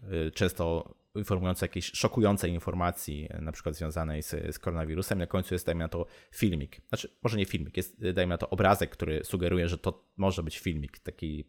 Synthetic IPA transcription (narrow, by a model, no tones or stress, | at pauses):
t͡ʂɛ̃w̃st̪ɔ | infɔɾmujɔnt̪sɛjakʲeɕʂɔkujɔnt̪sɛjinfɔɾmat̪sʲjḭnapʂɘ̥kwad̪zvjɔ̃w̃zanɛjsskɔɾɔnavʲiɾusɛminakɔɲ̃t̪sujɛsajminat̪ɔfʲilmʲiknat͡ʂɘ̥mɔʐɛɲɛfʲilmʲikjɛst̪d̪ajminat̪ɔʔɔbɾazɛkːt̪uɾɘsuɡɛɾujɛʐɛt̪ɔ | mɔʐɛbɘt͡ɕfʲilmʲikt̪akʲi